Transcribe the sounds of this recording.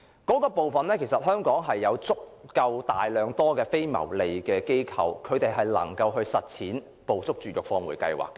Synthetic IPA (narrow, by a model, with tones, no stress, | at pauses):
kɔː˨˥kɔː˧po˨wfɐ˨nlɛː˥kʰe˨˩jsɐ˨t̚hœː˥ŋkɔː˨˥ŋɦɐ˨jːɐ˨˧wt͡sʊ˥k̚ːɐ˧wt̪a̰ː˨jlœː˨˧ŋt̪ɔː˥kɛː˧fe˥jmɐ̰˨˩wle˨jkɛː˧ke˥jkʰɐ˧wkʰɵ˨˧ɥt̪e˨jɦɐ˨jlɐ̰˨˩ŋkɐ˧wɦɵ˧ɥsɐ˨t̚t͡sʰiː˨˥n | po˨wt͡sʊ˥k̚t͡ʃyː˨jʊ˨k̚fɔː˧ŋwṵː˨˩jkɐ̰˧jwa̰ː˨˩kː